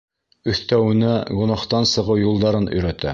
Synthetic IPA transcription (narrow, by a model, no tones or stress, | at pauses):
ɵ̆θt̪æwɘ̆næɡŏnɑχt̪ɑnsɤ̆ʁɤwjulˠd̪ɑɾɤnɵ̰̆jɾæt̪æ̰